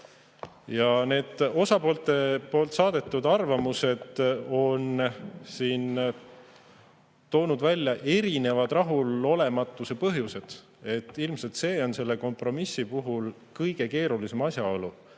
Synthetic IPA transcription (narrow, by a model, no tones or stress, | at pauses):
jɑne̞ːd̪̥o̞sɑpo̞ːlt̪e̞po̞ːlt̪sɑːd̪̥e̞t̪ːˑud̪ɑrvɑmuse̞d̪̥o̞nsiːn | t̪o̞ːnud̪vælʲːjɑʔe̞ɾine̞vɑd̪̥rɑɦulo̞le̞mɑt̪ːˑuse̞pɤɦjuse̞d̪̥ | e̞t̪ːilmselt̪se̞ːo̞nse̞lːe̞ko̞mpro̞misːipuɦul | kɤjɡ̥e̞ke̞ːɾulise̞mɑsjɑo̞lu